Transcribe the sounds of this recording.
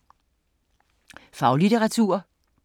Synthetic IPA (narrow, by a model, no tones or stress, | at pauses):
fɑ̈ʊlit͡sʰeʁɑ̈t͡sʰṵɐ